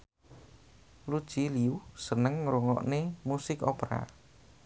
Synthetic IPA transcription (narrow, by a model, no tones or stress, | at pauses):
lud̥ʒ̥iliusənəŋɾuŋɔ̰ʔnemusɪkopɾa̰